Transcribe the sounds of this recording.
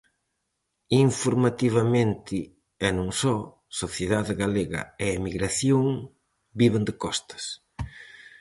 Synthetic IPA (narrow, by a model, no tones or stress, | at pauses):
iɱfoɾmat̪iβɐmẽnt̪ɪ | ɛnõŋsɔ | soθjeðaðɪɣaleɣɐ̰ɛːmiɣɾaθjoŋ | biβɪnd̪ɪkɔst̪ɐ̥s